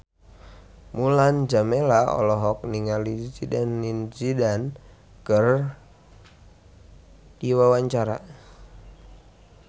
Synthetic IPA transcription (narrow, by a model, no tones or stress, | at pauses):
muland͡ʒamelaɔ̰lɔɦɔk̚niŋalisidɛnːinsidan | kər | diwawaɲt͡ʃaɾa̰